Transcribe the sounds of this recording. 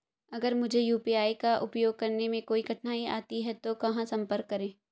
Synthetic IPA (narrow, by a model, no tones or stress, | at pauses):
ɐɡəɾmʊd͡ʒʱejuːpiaːikaʔʊpjoːɡ̚kɐɾnemẽkoːiɡʱɐʈnaːia̰ːt̪iɦɛt̪okɐɦãsɐ̃mpəɾkːɐɾẽː